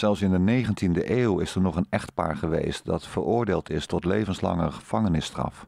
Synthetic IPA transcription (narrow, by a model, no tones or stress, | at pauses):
z̥ɛlˠsɪndənejχəntindəʔeːwɪsəɹnɔχənɛχtpa̰ːɹχəʋḛjstdɑtfəɹʊːɹdeːlˠtɪstɔtlejvənslɑ̰ŋəχəv̥ɑŋənɪstrɑ̰f